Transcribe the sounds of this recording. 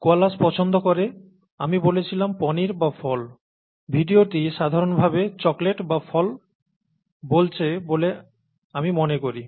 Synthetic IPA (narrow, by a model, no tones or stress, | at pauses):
koalaspɔt͡ɕʰond̪okoɾe | amibolet͡ɕʰilampɔniɾbafʰɔl | bʱiɖioʈiʃad̪ʱaɾonbʱabet͡ɕɔkleʈbafʰɔl | bolt͡ɕʰebole | amimonekoɾi